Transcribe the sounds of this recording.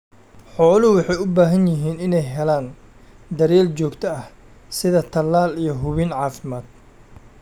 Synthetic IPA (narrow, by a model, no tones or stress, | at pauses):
ħɔːlwɑħɑjʊbaːɦɐnjɪɦiːnɪnɛjɦɛlaːn | d̪ɐɾɛːlt͡ʃɔːɡt̪ʰɐɐh | sɪðɐt̪ʰɐlːaːlijɞɦʊβɪnʕɑːfɪmaːd̪̥̚